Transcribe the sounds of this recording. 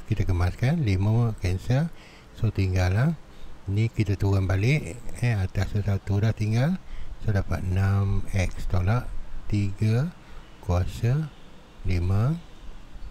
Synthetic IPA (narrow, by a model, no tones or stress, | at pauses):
kit̪akəmaskanliməkɛnsə | sot̪iŋɡalːanikit̪at̪uɣanbalɪʔɛat̪asəsat̪udaht̪iŋɡalsodapa̰t̪̚namɛkst̪olaʔt̪iɡa | kuasa | limə